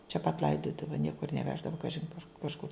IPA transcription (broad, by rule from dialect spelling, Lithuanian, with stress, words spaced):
t͡ʃʲɛ pɐt ˈlˠɐɪdoːdɐʋɐ ˈnʲiɛkʊr nʲɛˈʋʲæːʒdɐʋɐ ˈkɑːʒʲɪn kʊr kɐʃˈkʊr